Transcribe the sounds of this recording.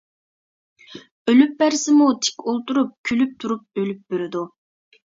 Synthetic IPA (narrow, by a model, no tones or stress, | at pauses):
ølyp̚bæɾsɪmut̪ʰe̥kʲolˠt̪uɾup̚kʲʰylyp̚t̪ʰuɾup̚ølyp̚byɾɪd̪u